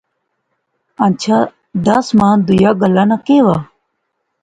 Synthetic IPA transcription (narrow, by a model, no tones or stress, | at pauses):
ant͡ʃʰaː | d̪əsmãːnd̪ʊjaːɡəlːaːnãːkeːʋaː